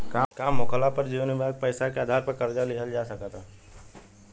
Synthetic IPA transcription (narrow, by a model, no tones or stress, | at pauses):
kaːkaːmːoːkəlapɐɾd͡ʒiːʋənibʱaːɡ̚pɛːsakeaːd̪ʱaːɾpɐɾkɐɾd͡ʒalɪkəld͡ʒaːsɐkat̪ʰaː